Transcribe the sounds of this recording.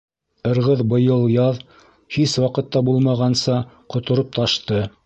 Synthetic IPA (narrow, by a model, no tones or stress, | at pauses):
ɤ̆ɾʁɤðbɤ̆jɤlˠjɑð | hiswɑqɤ̆t̪ːɑbulˠmɑʁɑnsɑ | qŏt̪ŏɾop̚t̪ʰɑʃt̪ɤ